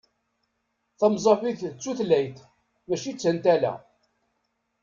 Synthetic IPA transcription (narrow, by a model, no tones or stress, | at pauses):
θɑmzˤɑfiθt͡sːuθlæjt̪ | mæʃit͡sːənt̪ælæ̰